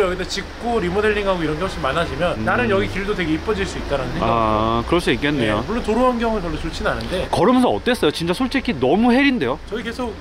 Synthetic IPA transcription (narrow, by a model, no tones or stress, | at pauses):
jʌɡit͈ʰet͡ɕik̚k͈oɾimodeɭːiŋɦaɡoiɾʌnɡeɦʌɭɕimanːaɕʰimjʌnːanɯnjʌɡikiɭdote̞ɡe̞ip͈ʌd͡ʑiɭs͈uit̚t͈aɾanɯndeakɯɾʌs͈uik͈enːejomuɭːontoɾoɦanɡjʌŋɯɭkjʌɭdot͡ɕot͡ɕʰinanɯnde̞kʌɾɯmjʌnsʰʌʌt͈e̞s͈ʌjot͡ɕint͡ɕ͈asʰoɭt͡ɕ͈ʰekʰinʌmuɦe̞ɾinde̞jot͡ɕʌike̞sʰok̚